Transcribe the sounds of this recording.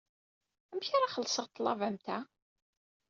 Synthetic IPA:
æmçaɾaχəlːsəʁt̪ˤːlˤɑvæmt̪æ

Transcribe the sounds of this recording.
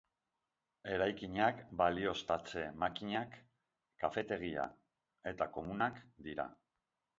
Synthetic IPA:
e̞ɾajkiɲakbalio̞st̪at͡se̞makiɲakː | afe̞t̪e̞ɣ̞ia̰ | e̞t̪ako̞munakd̪iɾa̰

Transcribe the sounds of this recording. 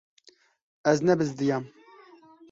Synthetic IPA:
ɛznɛbɨzd̪ɨjaːm

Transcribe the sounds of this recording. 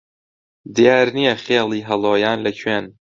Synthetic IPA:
d̪ijaːɾnijɛxeːlˠiːɦɐlˠoːjaːnlɐkʰɥeːn

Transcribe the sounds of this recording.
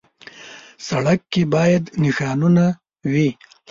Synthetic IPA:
saɽakːebɑjad̪nɪʃɑnuna | wi

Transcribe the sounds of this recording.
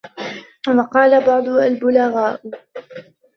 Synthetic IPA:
wɑqɑːlabɑʕd̪ˤʊalbʊlaɣaːʔʊ

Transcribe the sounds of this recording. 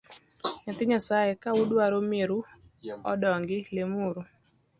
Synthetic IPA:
ɲat̪ɪɲasajekaudwaɾomeɾu | ɔdɔŋɡɪlemuɾu

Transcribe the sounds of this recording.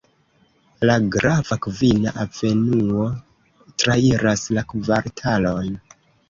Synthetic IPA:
laɡɾavakvinaʔave̞nuo̞ | tɾaiɾaslakvaɾtʰalo̞jn

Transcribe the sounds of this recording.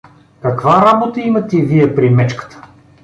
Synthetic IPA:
kɐkvaɾabot̪əimɐt̪ɛviɛpɾimɛt͡ʃkə̥t̪ə̥

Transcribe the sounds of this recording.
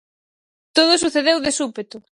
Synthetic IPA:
t̪oð̞ʊsuθeðewðesupet̪ʊ

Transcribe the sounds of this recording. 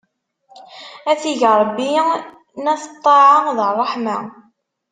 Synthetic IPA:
æθiʝɾˤbːi | næθt̪ˤːɑʕɑðərˤːɑħma

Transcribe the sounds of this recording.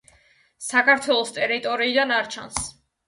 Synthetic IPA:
sakʰaɾt̪ʰwɛlˠɔst̪ʼɛɾit̪ʼɔɾiːd̪anaɾt͡ʃʰa̰ns

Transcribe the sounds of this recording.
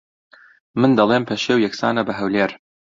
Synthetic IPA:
mɨnd̪ɐlˠempʰɐʃewjɛksa̰ːnɐbɐɦɐwleːɾ

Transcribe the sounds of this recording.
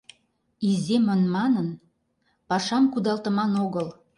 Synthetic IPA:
izemənmɑnən | pɑʃɑmkud̪ɑlt̪ə̆mɑnoɣəl

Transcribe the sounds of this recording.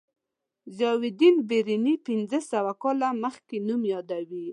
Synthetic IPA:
zɑwɪd̪inbeɾinipɪnzəsawakɑlaməxkenumjɑd̪awi

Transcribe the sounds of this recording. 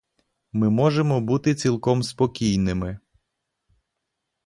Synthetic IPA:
mɪmɔʒemɔbut̪ɪt͡sʲilˠkɔmspɔkʲijnɪmɪ

